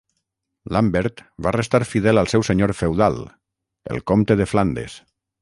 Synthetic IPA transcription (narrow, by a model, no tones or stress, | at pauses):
lambeɾt̪barest̪aɾfiðɛlalˠsɛwseɲoɾfewðalˠ | ḛlˠkomt̪eðefland̪ḛs